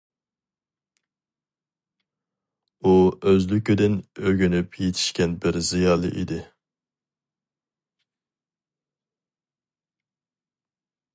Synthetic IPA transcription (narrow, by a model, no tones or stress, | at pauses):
uøzlykʲyd̪ɪnøɡʲynypʰjet̪ʰi̥ʃkʲɛnbɪɾzijɑːlˠɨ̰ʔid̪ɪ